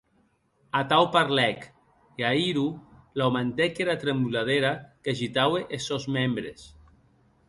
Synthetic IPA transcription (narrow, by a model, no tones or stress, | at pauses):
at̪awpaɾlɛk | eaiɾulawmant̪ekeɾat̪ɾemulað̞eɾakaʒit̪aweʔesozmembɾes